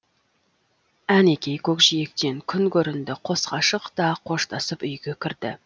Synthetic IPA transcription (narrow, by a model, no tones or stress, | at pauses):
æne̞kʲe̞jkʲʰɵkʒije̞k̚t̪e̞ŋkʲʰʏnkʲʰɵɾɪnd̪ɪqʰo̞sqɑʃəqt̪ɑqʰo̞ʃt̪ʰɑsəpʏjɡʲekʲʰɪɾd̪̥ɪ̰